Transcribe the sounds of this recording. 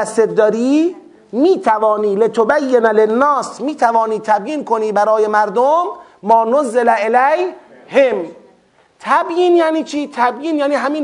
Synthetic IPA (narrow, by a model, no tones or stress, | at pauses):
æset̪̚d̪ɒːɾiː | miːt̪ʰævɒːniːlet̪ʰobæjːenlenːɒːsmiːt̪ʰævɒːniːt̪ʰæbjiːnkoniːbæɾɒːjemæɾd̪omːɒːnozːelæelæj | hem | t̪ʰæbjiːnjæniːt͡ʃʰiːt̪ʰæbjiːnjæːniːɦamiːn